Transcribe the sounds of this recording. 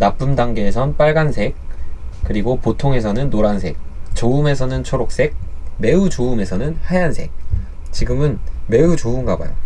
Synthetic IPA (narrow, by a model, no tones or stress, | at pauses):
nap͈ɯmdaŋɡeːsʰʌnp͈aɭɡansʰe̞k̚k͈ɯɾiɡopotʰoŋe̞sʰʌnɯnːoɾansʰe̞k̚t͡ɕoume̞sʰʌnɯnt͡ɕʰoɾok̚s͈e̞k̚me̞ut͡ɕoume̞sʰʌnɯnhajansʰe̞̰k̚ | t͡ɕiɡɯmɯnme̞ut͡ɕoumɡaba̰jo̰